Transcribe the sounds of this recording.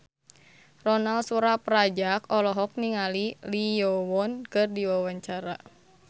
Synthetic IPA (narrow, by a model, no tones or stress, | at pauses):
rɔnalsuɾapɾad͡ʒakɔlɔɦɔk̚niŋalilijɔwɔnkɨrdiwawaɲt͡ʃaɾa